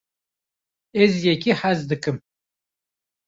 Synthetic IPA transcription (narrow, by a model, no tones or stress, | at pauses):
ɛzjɛkiħæzd̪ɨkɨm